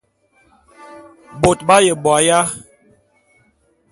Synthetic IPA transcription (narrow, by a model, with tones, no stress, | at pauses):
bo˨t̚ba˦je˨bwa˨ja˦